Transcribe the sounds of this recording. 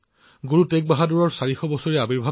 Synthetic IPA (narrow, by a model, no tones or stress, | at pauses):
ɡuɹutek̚baɦaduɹɔɹsaɹixɔbɔsoɹiabiɹbʱa